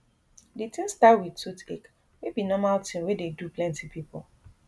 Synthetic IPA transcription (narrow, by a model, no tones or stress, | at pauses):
ditĩnstawidsutek | webinɔmaltĩwededuplɛ̃ntipʰipɔl